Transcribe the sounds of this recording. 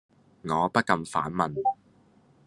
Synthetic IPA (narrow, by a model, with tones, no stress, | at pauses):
ŋɔː˨˧pɐ˥t̚kɐ˧mfa̰ː˨˥nmɐ˨n